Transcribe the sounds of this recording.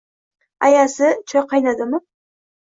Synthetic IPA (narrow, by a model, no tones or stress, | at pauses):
ajasɪt͡ʃʰɒjqʰɑjnad̪ɪmɪ